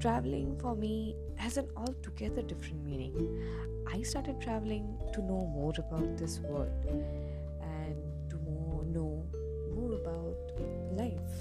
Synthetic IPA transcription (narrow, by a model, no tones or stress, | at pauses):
ʈɾæʋlɪ̃ŋfɔɾmi | æzə̃nɔːlʈuɡɛd̪əɾɖɪfɾə̃nʈmĩːnɪ̰̃ŋ | ʔaɪsʈaːɾʈɪɖ̚ʈʰɾæʋlɪ̃ŋʈunoːmɔːɾəbaʊʈ̚d̪ɪsʋəlɖ | ʔæ̃n | ʈumɔːnoː | mɔːɾəbaʊʈ | laɪf